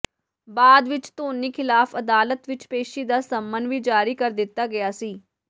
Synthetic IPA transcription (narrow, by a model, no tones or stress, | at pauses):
baːd̪ʋɪt͡ʃt̪oːniːkʰɪlaːfʰəd̪aːlət̪ʋɪt͡ʃpeːʃiːd̪aːsəmːənʋiːd͡ʒaːɾiːkəɾd̪ɪt̪ːaːɡɪjaːsiː